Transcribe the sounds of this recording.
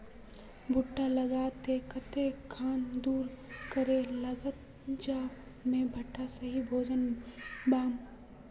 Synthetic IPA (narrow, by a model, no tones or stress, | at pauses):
bʱʊʈːaləɡaːt̪ekət̪ekʰaːnd̪uːɾkəɾeləɡət̪̚ | d͡ʒa | mẽbʱəʈːasəɦibʱoːd͡ʒənbaːn